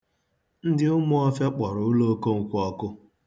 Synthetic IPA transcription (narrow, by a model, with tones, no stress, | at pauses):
n̩˦dɪ˦ʊ˦mʊ˦ɔ˦fja˦k͡pɔ˨ɾʊ˨ʊ˦lo˦ko˦ŋ̩˨kʷɔ˦kʊ˦